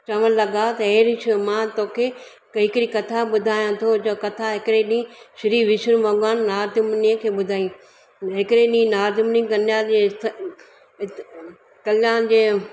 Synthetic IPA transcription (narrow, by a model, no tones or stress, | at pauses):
t͡ɕɐʋənlɐɡat̪ɐeːɾɪʃmãt̪oːkʰe | kɦɪkɪɾikɐt̪ʰaɓʊd̪ʱaːjãt̪ʰod͡ʑokɐt̪ʰaɦɪkɪɾeɗĩʃɪɾiʋɪʃəɾmɔːɡaːnːaːɾd̪ɪmniə̃kʰeːɓʊd̪ʱaːjĩ | ɦɪkɪɾeɗĩnaːɾd̪ɪmnĩɡɐnjaet̪ | kɐljaːnd͡ʑeː